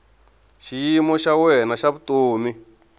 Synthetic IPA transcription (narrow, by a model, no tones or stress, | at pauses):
ʃijimɔʃawɛnaʃaβutoːmi